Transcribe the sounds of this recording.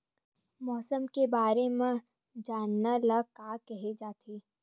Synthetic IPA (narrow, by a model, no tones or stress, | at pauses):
mɔːsəmkebaːɾemẽ | d͡ʒaːnːaləɡ̚kaːkɛɦed͡ʒaːt̪ʰeː